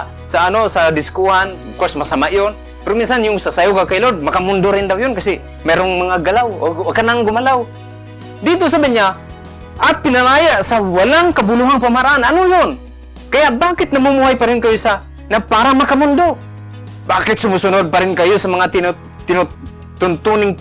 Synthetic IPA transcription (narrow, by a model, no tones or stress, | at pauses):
saːnosad̪ɪskuhan | kosmasamaʔjon | pɛɾominsanjʊŋsasajokakaɪlod̪̚mɐkamʊnd̪oɾɪnd̪awjʊnkasi | mɛɾoŋmaŋaɡalawoakanaŋɡʊmalaw | d̪it̪ʊs̬abaɲa | ʔapɪnalajaʔsawalaŋkabʊluɦaŋpamhaɾaʔananʊjʊn | kajaʔbakɪt̪̚namumuɦajpaɾɪnkajʊsa | napaɾamakamʊnd̪o | baːkɪt̪sʊmusʊnʊd̪̚paɾɪŋkajosamaŋat̪n | t̪ɪnʊ | t̪ʊnt̪unɪŋ